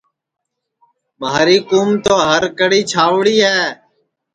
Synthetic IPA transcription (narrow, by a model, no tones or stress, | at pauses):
maːɾiːkuːmt̪oːɦəɾkəɽiːt͡ʃʰaːʋɽiːɦɛː